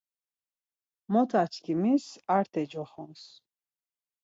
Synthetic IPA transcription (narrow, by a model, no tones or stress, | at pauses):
mɔt̪ʰat͡ʃʰkʰimisaɾt̪ʰɛd͡ʒɔχɔns